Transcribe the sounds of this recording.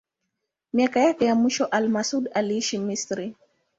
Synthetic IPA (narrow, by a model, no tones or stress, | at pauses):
miakajakɛjamwiʃɔʔalmasudaliiʃimistɾi